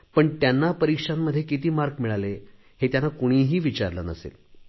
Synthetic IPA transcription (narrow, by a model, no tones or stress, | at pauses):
pəɳt̪janːapəɾikʂamːəd̪ʱːjekit̪iːmaɾkmiɭale | het̪janːakoɽ̃iːɦiːʋit͡ɕaɾlə̰nəsḛl